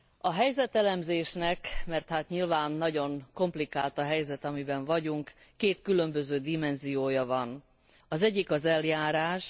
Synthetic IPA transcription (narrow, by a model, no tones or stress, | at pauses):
ɒɦɛjzɛt̪ɛlɛmzeːʃnɛkmɛrt̪haːt̪ɲilvaːnːɒɟo̞ŋko̞mplikaːlt̪ɒɦɛjzɛt̪ɒmibɛɱvɒɟuŋkː | eːt̪kylø̞mbø̞zøːd̪imɛnzijoːjɒvɒn | ɒzɛɟːikɒzɛljaːɾaːʃ